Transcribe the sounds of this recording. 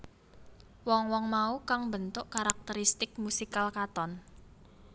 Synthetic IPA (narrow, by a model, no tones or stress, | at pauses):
wɔŋwɔŋmaukaŋbənt̪ʊʔkaɾak̚t̪əɾist̪ɪk̚musikalkat̪ɔn